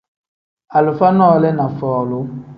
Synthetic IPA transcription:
a˨lʊ˨fa˦nɔː˦˨lɛ˦na˨fɔː˨lʊ˦

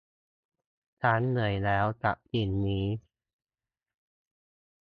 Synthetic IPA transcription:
t͡ɕʰa˦˥nːɯ˨˩əjlɛː˦˥wt͡ɕa̰˨˩p̚t͡ɕi˨˩nmiː˦˥

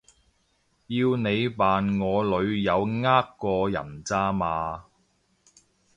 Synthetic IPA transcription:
jiː˧wne˨˧jpaː˨nŋɔː˨˧lɵ˨˧ɥjɐ˨˧wŋaː˥kːɔː˧jɐ̰˨˩nt͡saː˥maː˨˧

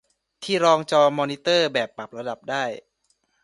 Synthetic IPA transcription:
t̪ʰiː˥˩ɾɔː˧ŋt͡ɕɔː˧mɔː˧ni˦˥t̪ɤː˥˩bɛː˨˩pːa˨˩p̚ɾa˧da˨˩p̚daː˥˩j

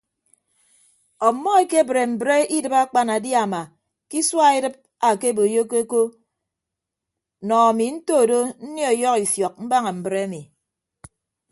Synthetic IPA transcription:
ɔ˨mːɔ˦e˦ke˦bɾe˨m̩˨bɾe˦i˦dɨ˦pa˦k͡pa˦na˨di˦a˨ma˨ | ki˦swa˦i˦dɨ˦p̚ | a˨ke˦bo˨jo˦ko˦ko˦ | nɔ˨a˨mi˨n̩˦to˦˨do˦n̩˦njɔ˨jɔ˦ki˨fjɔ˨k̚m̩˦ba˦ŋa˨m̩˨bɾe˦mi˨

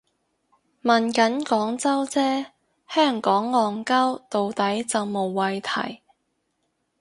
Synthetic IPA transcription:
mɐ˨nkɐ˨˥nkɔː˨˥ŋt͡sɐ˥wt͡sɛː˥ | hœː˥˩ŋkɔː˨˥ŋːɔː˨ŋkɐ˥wt̪o˨wt̪ɐ˨˥jt͡sɐ˨wmo˨wːɐ˨jt̪ʰɐ̰˨˩j

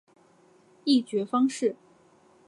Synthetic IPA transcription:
i˥˩t͡ɕɥɛ˧˥fɑ˥ŋʂɻ̩˥˩

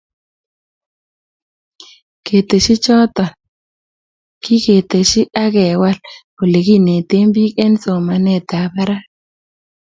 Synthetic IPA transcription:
kʰe˨t̪e˨ʃi˦t͡ʃɔ˦t̪ɔ˨n | kʰi˦ke˨t̪e˨ʃi˦ʔa˦kɛ˨wa˦lko˨le˨ki˦ne˨t̪e˦mbi˦kɛ˦nso˨ma˨nɛ˦˨t̪a˨ba˦ɾa˦

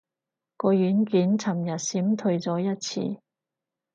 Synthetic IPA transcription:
kɔː˧jyː˨˥nkyː˨˥nt͡sʰɐ˨˩mjɐ˨t̚siː˨˥mt̪ʰɵ˧ɥt͡sɔː˨˥jɐ˥t̚t͡sʰḭː˧

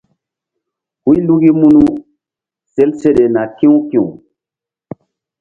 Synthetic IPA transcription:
hu˦jlu˦ɡi˦mu˦nu˦ | se˦lse˦ɗe˨na˨kĩ˦wkĩ˦˨u˨

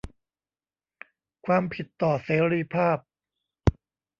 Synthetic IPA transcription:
kʰwaː˧mpʰi˨˩t̪ːɔː˨˩seː˨˦ɾiː˧˥pʰaː˥˩p̚

